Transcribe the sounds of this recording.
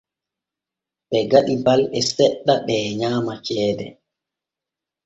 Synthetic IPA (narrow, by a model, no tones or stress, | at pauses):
ɓɛɡaɗibalɛsɛɗːaɓɛːɲaːmat͡ʃɛːdɛ̰